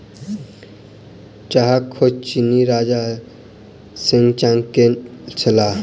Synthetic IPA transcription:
t͡ʃaɦakʰːot͡ʃiniɾaːd͡ʒa | siŋɡt͡ʃaŋkent͡ʃʰɐla

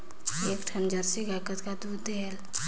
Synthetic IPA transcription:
ekʈʰamd͡ʒəɾsiɡajkət̪kad̪ud̪eɦel

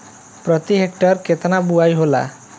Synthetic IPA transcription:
pɾɔt̪iɦekʈɔɾket̪anabuajɦola̰

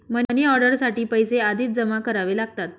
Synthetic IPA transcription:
mənəneɔɾɖəɾsaʈiːpəjsead̪ʱiːt̪̚d͡zəmakəɾaʋelaɡ̚t̪at̪̚

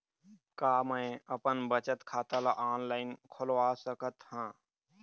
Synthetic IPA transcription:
kaːmə̃əpənbət͡ʃət̪kʰaːt̪alaʔaːnlaːɪnkʰʊlwaːsəkət̪hãː

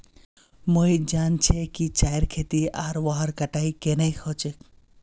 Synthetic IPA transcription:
mojd͡ʒaːnt͡ʃʰekit͡ʃaːjɾkʰeːt̪iaːɾʋaɦəɾkɐʈaːikenɐikʰoːt͡ʃek

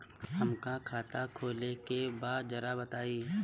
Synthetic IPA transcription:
hɐmkakʰaːt̪akʰoːlekebaːd̪̚d͡ʒɐɾabɐt̪aːiː

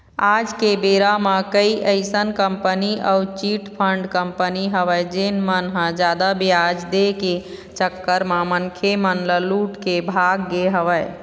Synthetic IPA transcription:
ad͡ʒkebeɾamãkəiʔəɪsənkəmpəniə̰ut͡ʃiʈpʰəɳɖkəmpəniɦəʋəjd͡ʒenmənɦə̃d͡ʒad̪abjjad͡ʒd̪eke | t͡ʃəkːəɾmamənkʰemənləluʈkebʱaɡːeɦəʋəj

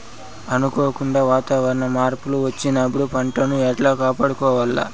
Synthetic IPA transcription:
ɐnukoːkuɳɖaːʋaːt̪aːʋɐɾɐnɐmaːɾpuluʋɐt͡ʃːinɐːbuɽupɐɳʈɐnuɛʈlaːkaːpaːɽukɔːʋɐlːɐ̰

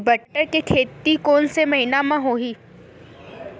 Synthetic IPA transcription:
bɐʈːəɾkekʰeːt̪ikoːnsemɐɦinamãɦoːɦiː

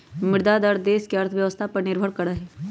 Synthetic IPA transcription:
mɪɾd̪ad̪əɾd̪eːskeɐɾt̪ʰʋjɐʋəst̪ʰapɐɾnɪɾbʱəɭkɐɾaɦɛː

